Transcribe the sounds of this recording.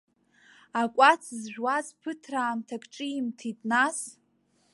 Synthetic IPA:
akʷʼat͡sʰzʒᶣwazpʰɨtʰraːmtʰakʰʼʈ͡ʂʼɨimtʰitʼnas

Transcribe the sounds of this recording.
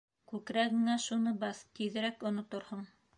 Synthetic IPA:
kʉkɾæɡɘ̆ŋæʃunɤbɑθt̪iðɘ̆ɾækŏnŏt̪oɾhɤɴ

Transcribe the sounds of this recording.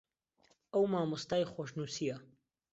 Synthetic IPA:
ʔəwmaːmʊst̪aːjxoːʃnuːsijɐ

